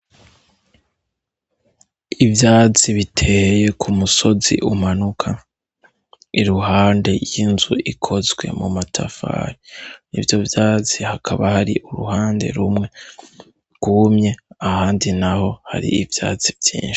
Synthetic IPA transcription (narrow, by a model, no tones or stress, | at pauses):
ivjaːt͡siβitʰe̞je̞kʰumuso̞zḭʔumanukʰa | iɾuɦaːnde̞jjinzuʔikʰo̞zɡwe̞̰mumatʰafa̰ːɾinḭvjo̞vjaːt͡sihakʰaβahaɾiʔuɾuhaːnde̞̰ɾumŋe̞ | ɡ̥umɲe̞ahaːndinaho̞ha̰ɾḭːvja̰ːt͡sivjḭːnʃi̥